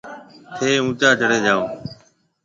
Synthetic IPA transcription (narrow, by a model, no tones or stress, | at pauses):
t̪ʰeːũːt͡ʃaːd͡ʒʱəɽeːd͡ʒaːoː